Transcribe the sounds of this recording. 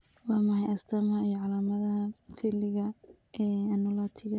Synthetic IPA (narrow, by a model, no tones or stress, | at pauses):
waːmɐhɐjɐst̪ʰɐmɐijɔʕalaːmɐðɐhfɪlɪɣɐɛːɐnɐlɔːt̪ʰɪɣɐ